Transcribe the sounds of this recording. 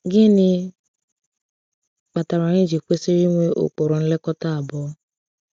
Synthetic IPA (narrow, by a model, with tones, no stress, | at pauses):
ɡi˦ni˦ | k͡pa˨ta˨ɾa˨ɲ˦i˦d͡ʒi˨k͡pe˦se˦ɾi˦ŋʷe˦ʔo̰˨k͡po˨ɾɔ˨n̩˦lɛ˦kɔ˦ta˦a˨bɔ˦